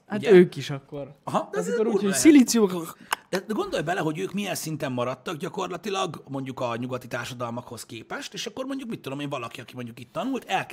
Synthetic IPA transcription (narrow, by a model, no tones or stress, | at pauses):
hatøːkiʃɒkːo̞ɾɒɦɒd̪ɛmioɾuːosilit̪sijokd̪̥ɛɡo̞nd̪o̞jbɛlɛɦo̞ɟøːkmijɛnsint̪ɛmːɒɾɒt̪ːɒɡɟɒko̞rlɒt̪ilɒɡmo̞ɲɟukɒɲuɡɒt̪it̪aːrʃɒd̪ɒlmɒkho̞skeːpɛʃt̪eːʃɒkːo̞rmo̞ɲɟukmit̪ːud̪o̞meːɱvɒlɒkiɒkimo̞ɲɟukit̪ːɒnult̪ɛlk